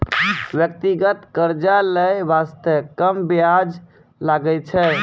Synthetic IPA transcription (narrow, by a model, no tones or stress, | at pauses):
ʋjək̚t̪iɡət̪kəɾd͡ʒaləjʋast̪əkəmbjad͡ʒ | laɡəlt͡ʃʰɛ